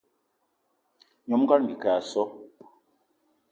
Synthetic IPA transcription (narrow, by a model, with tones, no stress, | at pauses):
ɲɔ˨˦m˦ka˦ɾm̩˨ɡi˨ka˨a˨sɔ˦